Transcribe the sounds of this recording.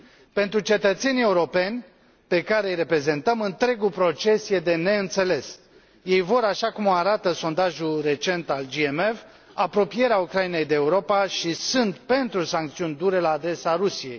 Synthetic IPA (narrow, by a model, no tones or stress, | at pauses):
pe̞nt̪ɾut͡ʃe̞t̪ət̪se̞nie̞uɾo̞pe̞nʲ | pe̞kaɾe̞jre̞pɾe̞ze̞nt̪əmɨnt̪ɾe̞ɡupɾo̞t͡ʃe̞sje̞d̪e̞ne̞ɨnt̪se̞le̞s | je̞jvo̞ɾaʃakumoaɾat̪əso̞nd̪aʒulre̞t͡ʃe̞nt̪ald͡ʒiemev | apɾo̞pije̞ɾeaukɾaine̞jd̪eːuɾo̞paʃisɨnt̪pe̞nt̪ɾusaŋk̚t̪siunʲd̪uɾe̞laːd̪ɾe̞saɾusije̞̰j